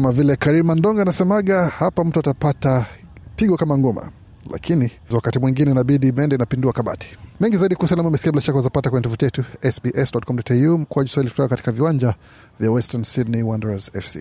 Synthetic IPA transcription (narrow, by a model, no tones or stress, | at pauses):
kamavilɛkaɾilmandɔŋɡanasɛmaɠahapam̩tuatapata | piɠwakamaŋɡɔma̰ | la̰kʰini | wakatimwiŋɡinɛnaɓiɗimɛndɛnapinduakaɓa̰ti̥mɛŋɡizaiɗikusalamuamɛsi̥kiabilaʃakwazapatakwɛɲɛtɔfutiɛtuɛsbiʔɛsdɔtkɔmdɔtɛjum̩kuaʄuswahilitu̥taɔkati̥kaviwaɲd͡ʒa | vjawɛstansidnɛwandɛɾazɛ̰fsḭ